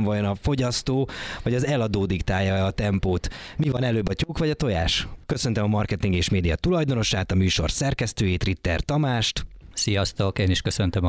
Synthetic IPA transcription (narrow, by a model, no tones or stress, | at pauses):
vɒjo̞nɒfo̞ɟɒst̪oːvɒɟɒzɛlɒd̪oːd̪ikt̪aːjɒɛɒt̪ɛmpoːt̪mivɒnɛløːbːɒcuːkʋɒɟɒt̪o̞ja̰ːʃkø̞sø̞nt̪ɛmɒmɒrkɛt̪iŋɡeːʃmeːd̪ijɒt̪ulɒjd̪o̞no̞ʃaːt̪ɒmyːʃo̞̰rsɛrkɛst̪øːjiːt̪rit̪ːɛrt̪ɒmaːʃt̪sijɒst̪okeːniʃkøsønt̪øm